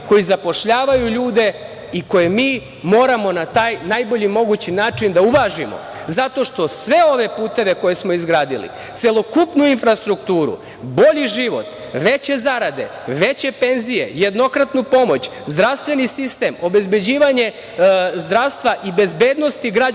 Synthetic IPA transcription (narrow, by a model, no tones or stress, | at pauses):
ko̞jizapo̞ʃʎaːʋajuʎuːd̪e̞ | iko̞jemiː | mo̞ːɾamo̞nat̪aːjnajbo̞ʎimo̞ɡut͡ɕinaːt͡ʂind̪auʋaʒimo̰zat̪o̞ʃt̪o̞sʋe̞o̞ʋe̞puːt̪e̞ʋe̞ko̞jesmo̞izɡɾaːd̪ilḭ | t̪se̞lˠo̞kupnuinfɾast̪ɾuk̚t̪uːɾṵ | bo̞ʎiʒiʋo̞̰t̪ | ʋe̞t͡ɕe̞zaɾad̪e̞̰ | ʋe̞t͡ɕe̞pe̞nzije̞̰je̞d̪no̞kɾat̪nupo̞mo̞t͡ɕzd̪ɾast̪ʋe̞nisist̪e̞ːmo̞be̞zbed͡ʑiːʋaɲe̞ | zd̪ɾaʋst̪ʋaʔibe̞zbe̞ːd̪no̞st̪iɡɾa